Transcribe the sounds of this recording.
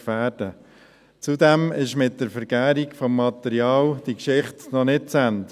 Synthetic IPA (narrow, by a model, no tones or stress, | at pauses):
fæːɾd̥ə | t͡sudɛmɪʃmɪt̚dəɾfəɾɡæːɾikfɔmːɑt̪ɛɾiɑːld̥ikʃɪχtnɔnɪt̚t͡sænt